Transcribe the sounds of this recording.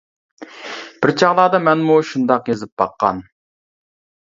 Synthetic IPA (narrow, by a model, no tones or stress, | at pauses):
b̥ɪɾt͡ʃʰɑʁlˠɑːd̪ɑmɛnmuʃund̪ɑqjezɪp̚bɑqːɑ̰n